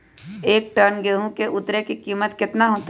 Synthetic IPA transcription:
eːk̚ʈənɡeːɦũkeʔʊt̪ɾekikiːmət̪kɪt̪naɦoːt̪

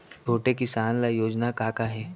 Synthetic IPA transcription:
bʱoːʈekɪsaːnlajoːd͡ʒnakaːkaɦɛː

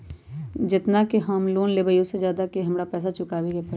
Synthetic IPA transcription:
d͡ʒɪt̪nakeɦɐmloːnleːbəjosezjaːd̪akeɦɐmɾapɛːs̬at͡ʃʊkaːbeɡepɐ

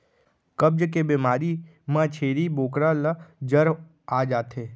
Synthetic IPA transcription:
kəb̚d͡ʒk̬ebiːmaːɾi | mãːt͡ʃʰeːɾiboːkɾãləd͡ʒəɾ | aːd͡ʒaːt̪ɦeː

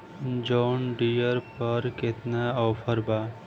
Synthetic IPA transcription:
d͡ʒɔːnɖijəɾpəɾket̪naɔːfʰəɾbaː

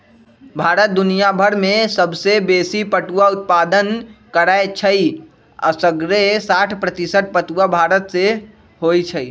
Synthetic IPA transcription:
bʱaːɾət̪̚d̪ʊnijabʱəɾmẽsəbsebeːsipəʈuwaʊt̪̚paːd̪ənkəɾaet͡ʃʰəi | ə̰səɡɾesaːʈʰpɾət̪isəʈ̚ʰpəʈ̪uwabʱaːɾət̪se | ɦoit͡ʃʰəi

